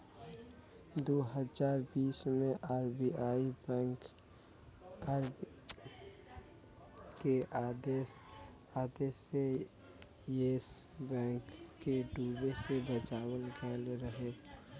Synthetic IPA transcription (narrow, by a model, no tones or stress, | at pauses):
d̪oːɦəzaːɾbiːsmẽʔaːɾbiaːi | keaːd̪e | aːd̪eːse | jeːs | bɛ̃ːŋkkːeɖuːbesebət͡ʃaːwəlɡɛːlɾəɦeː